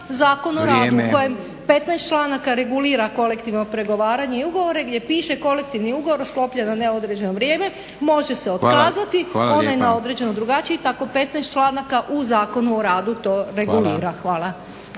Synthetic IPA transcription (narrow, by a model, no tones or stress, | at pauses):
zaːko̞noɾaːd̪uko̞jem | pe̞t̪najst͡ʃlˠaːnakaɾe̞ɡuliːɾako̞le̞kt̪iʋno̞pɾe̞ɡo̞ʋaːɾaɲe̞iuɡo̞ʋo̞ɾe̞ɡd̪ʲje̞piːʃe̞ko̞le̞k̚t̪iʋniuɡoʋoɾsklo̞pʎananeod̪ɾed͡ʑe̞no̞ʋɾje̞ːme̞ | mo̞ʒe̞seo̞t̪kaːzat̪io̞najenao̞d̪ɾe̞d͡ʑe̞nod̪ɾuɡat͡ʃiit̪ako̞pe̞t̪najst̪t͡ʃlaːnakaʔuzaːko̞nuo̞ɾaːd̪ut̪o̞ːɾe̞ɡuliːɾaxʋaːlˠa